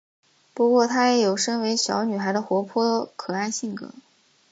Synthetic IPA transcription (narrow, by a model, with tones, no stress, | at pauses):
pu˧˥kwɔ˥˩t̪ʰa˥jɛ˧˥jo˨˩ʊʂɤ˥ŋwe˧˥ɪɕjɑ̰˧˥ʊny˨˩xa˧˥ɪd̪ə˧xwɔ˧˥pʰwɔ˥kʰɤ˨˩a˥nɕi˥˩ŋkɤ̰˨˩˦